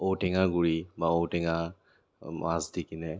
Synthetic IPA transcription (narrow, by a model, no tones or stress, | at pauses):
ɔwtɛŋaɡuɹibaɔwtɛŋa | mazdikinɛ